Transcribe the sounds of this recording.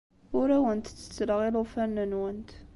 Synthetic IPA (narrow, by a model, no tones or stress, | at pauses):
ʊɾæwənt̪t͡sːə̥t͡sːəlɣilufænːənwənt̪